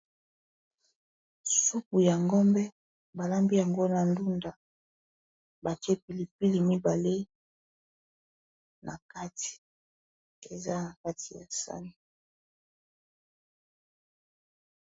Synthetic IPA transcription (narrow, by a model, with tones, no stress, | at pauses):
ssu˦k̚u˨ja˨ŋɡɔ˦mbɛ˦ | ba˨la˦mbi˦ja˨ŋɡo˦na˨ndu˦nda˨ | ba˨ti˦e˦pi˨li˨p̚i˦li˨mi˦ba˨le˦ | nʔa̰˨ka˦ti̥˨ | e˨za˦na˨ka˦ti˨ja̰˨sa̰˦ni˨